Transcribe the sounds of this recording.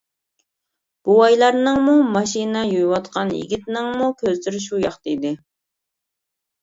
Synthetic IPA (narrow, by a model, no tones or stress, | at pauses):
b̥uɑjlˠɑɾnɨŋmumɑʃinɛjojwɑt̪qʰɑnjḭɡʲit̪nɪŋmukʲʰøzlyɾʃujɑχt̪ɑjid̪ɪ